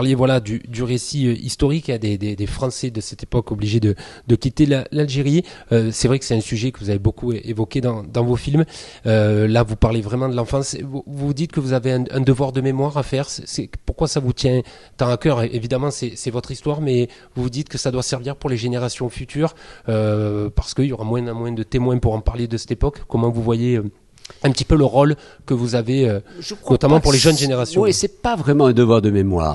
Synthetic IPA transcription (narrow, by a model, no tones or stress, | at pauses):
aʁljevwalad̪yd̪yʁesiøʔist̪ɔʁikɛ̃d̪ed̪ed̪efχɑ̃sɛd̪əsɛt̪epɔkɔbliʒed̪əd̪əkʲit̪elalalʒeʁiøsɛvʁɛkə̥sɛt̪ɛ̃syʒɛkəvuzavebokuevɔked̪ɑ̃d̪ɑ̃vofilm | ølavupaʁlevʁɛmɑ̃d̪əlɑ̃fɑ̃svuvuvud̪it̪kəvuzaveɛ̃ɛ̃d̪əvwaʁd̪əmemwaʁafɛʁsɛsɛpuʁkwasavut̪jɛ̃ | t̪ɑ̃akœʁʔevid̪amɑ̃sɛsɛvɔt̪χist̪waʁmɛ | vuvud̪it̪kəsad̪wasɛʁviʁpuʁleʒeneʁasjɔ̃fyt̪ʰyʁøpaʁ̥sə̥kəiljoʁamwɛ̃mwɛ̃d̪ət̪emwɛ̃puʁɑ̃paʁled̪əsɛ̥t̪epɔkːɔmɑ̃vuvwajeø | ɛ̃pət̪ipøləʁɔlkəvuzaveøʒnɔt̪amɑ̃puʁleʒœnʒeneʁasjɔ̃wɛsɛpavʁɛmɑ̃ɛ̃d̪əvwaʁd̪əmemwa̰ːʁ